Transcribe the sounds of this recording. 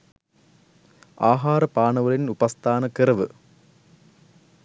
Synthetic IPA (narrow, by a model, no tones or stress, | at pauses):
aːɦaːrɐpaːɳɐʋɐlinubɐst̪ʰaːnɐkirɐʋɨ